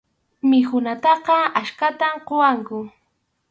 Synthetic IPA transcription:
mɪxʊnat̪ɑqɑaʃkat̪amqowaŋkʊ

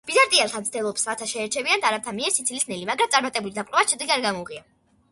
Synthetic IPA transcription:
b̥izaɾt̪ʼialˠt̪ʰant̪sd̪ilˠɔpsɾat̪ʰaʃɛːɾt͡ʃʰɛviand̪aɾap̚t̪ʰamiɛsit̪sʰilisnɛlimaɡɾamt̪ʼaɾmat̪ʼɛbulid̪apʼlʼɔvat͡ʃʰɛd̪iɡaɾɡamɔuʁia

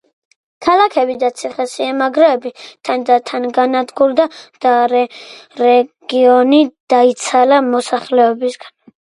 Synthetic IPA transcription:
kʰalakʰɛbid̪at̪sʰiχɛsiɛmaɡɾɛɛbit̪ʰand̪at̪ʰanɡanad̪ɡuɾd̪ad̪̥aɾɛɾɛɡ̥iɔnid̪̥ait̪sʰalamɔsaχlɛɔbisɡ̥an

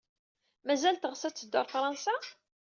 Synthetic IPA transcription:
mæzælt̪əʁsæt͡sːəd̪ːʊɾˤfɾˤɑnsa

